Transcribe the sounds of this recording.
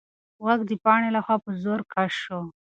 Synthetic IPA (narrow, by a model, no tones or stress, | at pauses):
ɣaɡd̪əpɑɽelaxwɑpəzoɾkaʃo